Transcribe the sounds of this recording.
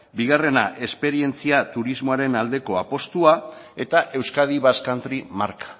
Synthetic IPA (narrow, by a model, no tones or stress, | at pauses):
biɣ̞are̞naʔe̞spe̞ɾie̞nt͡siat̪uɾizmoaɾe̞nald̪e̞ko̞apo̞st̪uae̞t̪aʔe̞wskað̞iβaskant̪ɾimaɾkḁ